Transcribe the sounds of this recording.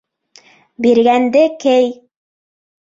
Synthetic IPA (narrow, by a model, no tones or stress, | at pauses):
biɾɣænd̪ɘkɘj